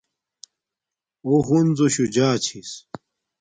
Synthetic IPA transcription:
oɦund͡zoɕud͡ʑaːt͡ɕʰis

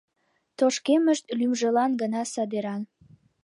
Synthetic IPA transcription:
t̪oʃkeməʃt̪̚lymʒəlɑnɡənɑsɑd̪eɾɑn

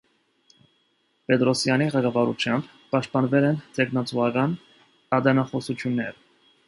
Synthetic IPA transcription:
pɛt̪ɾɔsjɑniʁɛɡɑvɑɾut͡ʃʰjɑmb | pɑʃt̪̚pɑnvɛlɛnt̪ʰɛknɑt͡suɑkɑn | ɑd̪ɛnɑχɔsut͡sʰjunːɛɾ

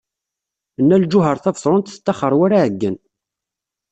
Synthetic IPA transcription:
ənːæld͡ʒʊɦəɾˤθævsˤɾˤʊnt̪θə̥t̪ːæχəɾˤwaɾaʕəɡːən

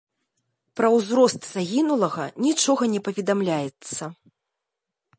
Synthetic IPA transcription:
pɾɐwzɾɔst̪z̥aɣʲinulˠɐɣɐnʲit͡ʂɔɣɐnʲɛpɐvʲɛd̪amlʲajɛt̪sːɐ

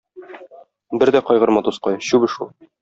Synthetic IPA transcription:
bɘɾd̪æqɒjʁɤ̆ɾmɑt̪usqɑjɕʉbɘ̆ʃulˠ

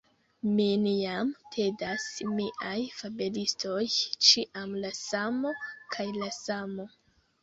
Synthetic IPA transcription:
minjamtʰe̞dasmiʔajfabelistʰo̞jt͡ʃiʔamlasamo̞kʰajlasamo̞

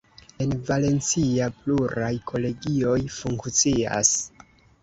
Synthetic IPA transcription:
e̞nvale̞nt͡siapluɾajkʰo̞le̞ɡio̞jfuŋkt͡sia̰s

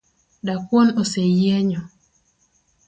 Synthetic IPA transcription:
dakwonosejeɲɔ

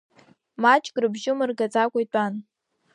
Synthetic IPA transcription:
mat͡ʃʼkʼrɨbʒɪmɨrɡat͡sʼakʷʼajtʷʼan

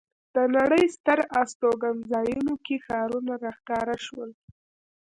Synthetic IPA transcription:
d̪̥ənaɽəjst̪əɾast̪oɡanzɑjunokexɑɾunaɾɑxkɑɾaʃwəl

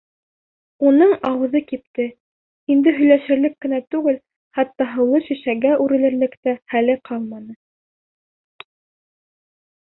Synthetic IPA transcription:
unɤɴɑwɤ̆ðɤkip̚t̪ɘ | ind̪ɘɦɵ̆jlæʃɘ̆ɾlɘkːɘ̆næt̪ʉɡɘl | χɑt̪ːɑɦɤ̆wlˠɤʃiʃæɡæʔʉɾɘ̆lɘ̆ɾlɘ̆kt̪æχælɘqʰɑlˠmɑnɤ

